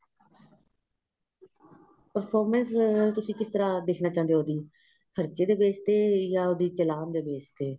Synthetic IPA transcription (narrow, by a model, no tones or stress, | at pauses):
pəɾpʰoːɾmənst̪ʊsĩːkɪst̪əɾaːd̪eːkʰnaːt͡ʃãːnd̪eoːd̪iː | kʰəɾt͡ʃeːd̪eːʋeːst̪eːjaːod̪iːt͡ʃəlaːnd̪eːʋeːst̪eː